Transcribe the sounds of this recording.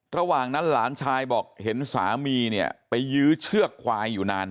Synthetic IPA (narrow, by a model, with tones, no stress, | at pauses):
ɾa˧waː˨˩ŋna˦˥nlaː˩˦nt͡ɕʰaː˧jbɔː˨˩k̚he˩˦nsa̰ː˩˦miː˧ni˥˩ɐpa˧jːɯː˦˥t͡ɕʰɯ˥˩əkʰːwaː˧jːuː˨˩naː˧n